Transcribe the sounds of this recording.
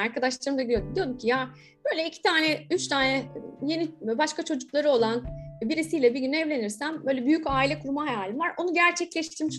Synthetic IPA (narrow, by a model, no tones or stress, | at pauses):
aɾkʰad̪aʃlˠaɾɯmd̪aɡid̪ijod̪ud̪ijo̞d̪umcʰijaː | b̥ø̞jlʲɛicʰi̥t̪ʰaːnɛyt͡ʃt̪ʰaːnɛje̞nibaʃkat͡ʃʰo̞d͡ʒuklˠaɾɯo̞lˠanbiɾisijlʲɛbiɾɟynɛvlʲe̞niɾsæmbø̞jlʲɛbyjycaːilʲɛkʰuɾmaɦajaːlʲimvaɾʔo̞nuɟæɾt͡ʃʰɛclʲɛʃt̪ʰiɾmiʃ